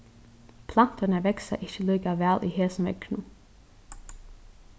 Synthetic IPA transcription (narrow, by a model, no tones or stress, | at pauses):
pʰlan̥t̪ənəʋɛksa̰ʔɪçəliːkaʋɛːlʔiheːsnʋɛ̰knu